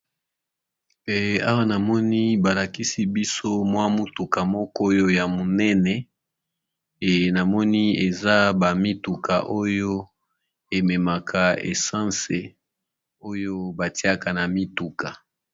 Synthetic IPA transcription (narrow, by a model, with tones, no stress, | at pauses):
ɛ˨a̰˦wa˦na˨mɔ˦ni˦ba˨la˨ki˦si˦bi˦so˦mwa˦mu˦tu˨ka˨mɔ˦kɔ˦jo˦ja˨mo˨nɛ˦nɛ˨ | na˨mɔ˦ni˦e˨za˦ba˨mi˦tu˨ka̰˨ʔo˦jo˦ | e˨mɛ˨ma˨kʰa˨ḛ˨sã˦se˨ | o˦jo˦ba˨ti˦a˦ka˨na˨mi˦tu˨ka˨